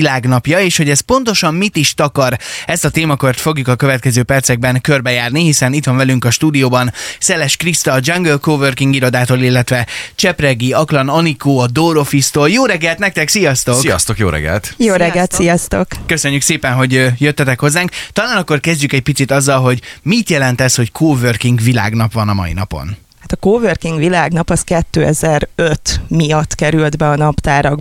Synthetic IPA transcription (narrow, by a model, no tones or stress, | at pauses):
ilaːɡnɒpjɒeːʃhoɟɛspo̞nt̪o̞ʃɒmmit̪iʃt̪ɒkɒɾɛst̪ɒt̪eːmɒkørt̪fo̞ɡjukɒkø̞vɛt̪kɛzøːpɛrt̪sɛɡ̚bɛŋkø̞rbɛjaːrnihisɛnit̪ʋɒɱvɛlyŋkɒʃt̪uːd̪ijoːbɒnsɛlɛʃkrist̪ɒd͡ʒɒŋɡølkoːvørkiŋɡiɾo̞d̪aːt̪oːlilːɛt̪ʋɛt͡ʃɛprɛɡiɒklɒnɒnikoːɒd̪oːɾo̞fist̪oːljoːɾɛɡɛlt̪nɛk̚t̪ɛksijɒst̪o̞skijɒ̰st̪okjo̰ːɾɛ̰ɡɛ̰lt̪jjoːɾɛɡɛlt̪sijɒst̪o̞kkøsø̞ɲːykseːpɛnɦo̞ɟjøt̪ːɛt̪ɛkho̞zːaːŋkt̪ɒlaːnɒkːo̞rkɛzɟykɛɟ̚pit̪sit̪ɒzːɒlɦo̞ɟmit̪jɛlɛnt̪ɛsho̞ckʰoːvørkiŋɡʋila̰ːɡnɒpʋɒnɒmɒ̰ḭnɒ̰po̞̰n | hat̪ɒkoːvørkiŋɡʋilaːɡnɒpɒskɛt̪ːøːɛzɛɾøt̪mijɒt̪ːkɛɾyld̪bɛɒnɒpt̪aːɾɒɡ